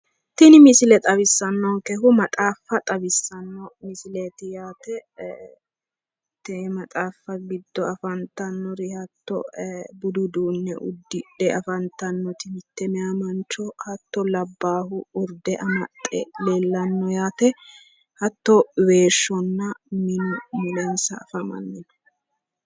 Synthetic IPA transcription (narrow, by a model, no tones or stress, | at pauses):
t̪ɪnɪmɪsɪlɛt̪ʼɐβɪsːɐnːɔŋkɛɦʊmɐt̪ʼaːfːɐt̪ʼɐbɪsːɐnːɔmɪsɪleːt̪ɪjaːt̪ɛ | t̪ɛmɐt̪ʼaːfːɐɡɪd̪ːɔɐfɐnt̪ːɐnːɔɾɪhɐt̪ːɔ̰bʊd̪ʊd̪uːnːɛ̰ʔʊ̰d̪ːɪᶑɛɐfɐnt̪ɐnːɔt̪ɪmɪt̪ːɛmɛɐmɐnt͡ʃːɔhɐt̪ːɔlɐbːaːhʊʊɾd̪ɛʔɐmɐt̪ʼːɛleːlːɐnːɔjaːt̪ɛ | hɐt̪ːɔweːʃːɔnːɐmɪnʊmʊlɛnsɐːfɐmɐ̰nːɪnɔ̥